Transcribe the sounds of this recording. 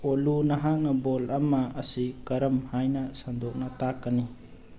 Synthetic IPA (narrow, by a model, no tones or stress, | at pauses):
olunɐɦak̚nɐbolɐmɐɐsikɐɾɐmhajnɐsandok̚nɐtakːɐni